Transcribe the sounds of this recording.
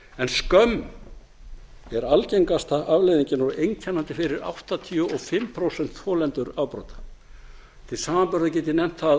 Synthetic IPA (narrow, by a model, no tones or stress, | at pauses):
ɛnskœm | ɛɾalcejŋkast̪aʔavlejðiɲcɪnɔɾejncʰɛnant̪ɪfɪɾɪɾa̰wht̪at̪ʰiuʔɔfɪmpʰɾowsɛnt̪θfɔːlɛnt̪ʏɾawpɾɔ̰wt̪ḁ | t̪ʰɪlsaːmampœɾðacɛːt̪ɪnɛm̥t̪θa